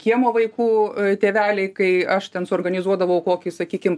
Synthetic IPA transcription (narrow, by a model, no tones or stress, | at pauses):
kʲiɛmoːʋɐɪkuːt̪ʲeːʋʲæːlʲɛɪkɐɪɐʃt̪ʲɛnsʊoːrɡɐnʲɪzuɔd̪ɐʋɐʊkoːkʲɪsɐkʲiːkʲɪm